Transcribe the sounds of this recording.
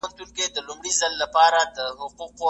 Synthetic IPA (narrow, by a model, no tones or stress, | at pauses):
nt̪unked̪əlʊmɽizalːapɑɾad̪əɦʊquqo